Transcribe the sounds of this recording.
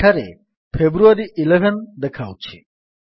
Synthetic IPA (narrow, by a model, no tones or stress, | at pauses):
aɾḛ | fʰebɾuaɾiʔileʋənd̪ekʰaʋt͡ʃʰḛ